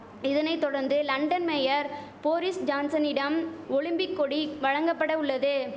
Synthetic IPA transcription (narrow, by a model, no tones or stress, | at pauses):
ɪðɐnɐɪt̪ːɔɽɐɾnd̪ɯlɐɳɖɐnmɛjɐɾ | poːɾɪsd͡ʒaːnsɐnɪɽɐmɔɭɪmbɪkːɔɽiʋɐɻɐŋɡɐpːɐɽɐʊɭːɐðɯ